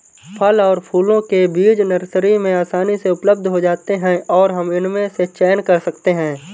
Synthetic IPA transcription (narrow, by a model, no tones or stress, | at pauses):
pʰəlɔːɾpʰuːlõkebiːd͡ʒnɐɾsɾimẽaːsaːniseʊpləb̚d̪ʱɦod͡ʒaːt̪eɦɛ̃ɔːɾɦɐmɪnmẽset͡ʃɛːnkɐɾsɐkt̪eɦɛ̃ː